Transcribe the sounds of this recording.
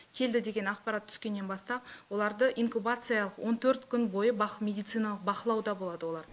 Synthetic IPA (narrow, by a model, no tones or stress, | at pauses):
kʲʰe̞ld̪ɪd̪e̞ɡʲe̞nɑqpɑɾat̪ʰːʏ̥skʲe̞nːe̞nbɑst̪ɑpwo̞lˠɑɾd̪əʔiŋkubat̪sɨjalˠəqwʔo̞nt̪ʰɵɾt̪kʲʰʏnbo̞jəbɑqmʲe̞d̪ijt̪sɨjnɑlˠəq̚bɑqəlˠɑwd̪ɑbo̞lˠɑd̪əwo̞lˠɑɾ